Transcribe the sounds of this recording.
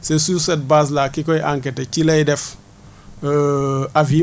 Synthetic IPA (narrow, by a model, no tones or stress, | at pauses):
sesuset̚bas̬lakikojʔaŋk̬etet͡ʃilejdɛf | avi